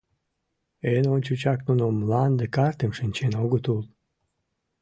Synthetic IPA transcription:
enonʲt͡ɕut͡ɕaknunomlˠand̪əkart̪əmʃɨnʲt͡ɕenoɡət̪ulˠ

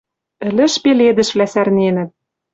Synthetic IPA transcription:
ɘ̆lɘ̆ʃpeled̪ɘ̆ʃβlæsærnenɘ̆t̪̚

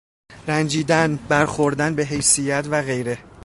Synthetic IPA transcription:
ɾænd͡ʒiːd̪ænbæɾxoɾd̪ænbe̞ɦe̞jsijæt̪ʰvæɣe̞jɾe

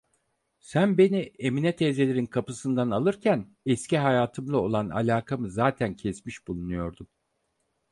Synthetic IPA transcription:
sænbe̞nieminɛt̪ʰeze̞lʲeɾinkʰapɯsɯnd̪analˠɯɾcʰæn | ɛsciɦajaːt̪ʰɯmlˠao̞lˠana̰lʲaːkʰamɯzaːt̪ʰæncʰɛsmiʃbulˠunujo̞ɾd̪um

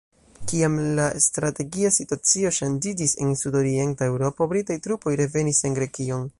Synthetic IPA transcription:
kiamlastɾate̞ɡiasituat͡sio̞ʃand͡ʒid͡ʒise̞̰nsudo̞ɾie̞ntae̞wɾo̞po̞bɾitajtɾupo̞jɾe̞ve̞nise̞nɡɾe̞kio̞n

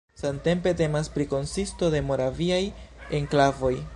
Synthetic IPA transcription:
sante̞mpe̞te̞maspɾiko̞nsisto̞de̞mo̞ɾaviaje̞ŋklavo̞j

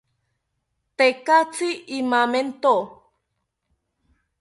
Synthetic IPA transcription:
t̪ekat͡siimament̪o

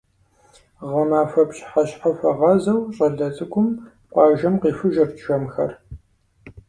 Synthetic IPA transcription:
ʁɐmaːfɐpɕħaɕħafɐʁɐzɐwɕʼɐɮɐt͡sʼɨkʷʊm | qʷɑːʒɐmqiːfɨʒɐrt͡ʃʃɐmxɐr

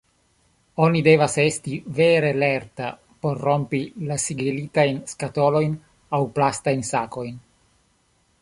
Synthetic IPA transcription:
o̞nide̞vase̞stive̞ɾe̞le̞ɾta | po̞ɾːo̞mpilasiɡilitajnskato̞lo̞jn | awplastajnsako̞jn

